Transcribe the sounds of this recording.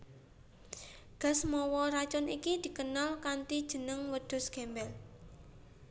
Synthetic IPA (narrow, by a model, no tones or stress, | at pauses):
ɡ̥a̤smɔwɔɾat͡ʃʊnikid̪̥i̤kənalkant̪id̥ʒ̥ə̤nəŋwəd̪̥ʊ̤sɡ̥ɛmbɛl